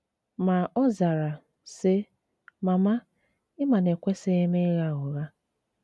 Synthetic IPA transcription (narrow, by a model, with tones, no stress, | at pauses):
ma˨ɔ˦za˨ɾa˨ | sɪ˦ | ma˨ma˦ | ɪ˦ma˨ne˨kʷe˦se˦me˦ɣa˦ɣʊ˨ɣa˦